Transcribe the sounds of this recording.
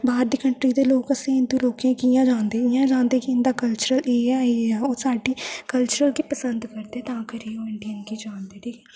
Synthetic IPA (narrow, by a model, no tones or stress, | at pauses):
baːɾd̪ikəɳʈɾiːd̪eːloːkəsẽːɪnd̪ũːɾoːkãːkiːãːd͡ʒãːnd̪eːɪjãːd͡ʒãːnd̪eːkiɪnd̪aːkəlt͡ʃəɾəleːɛeːɛːoːsaːɖiːkəlt͡ʃəɾəlkiːpəsənd̪kəɾd̪eːɛt̪ãːkəɾiːoːɪɳɖiənkiːd͡ʒãːnd̪eːʈʰiːkʰː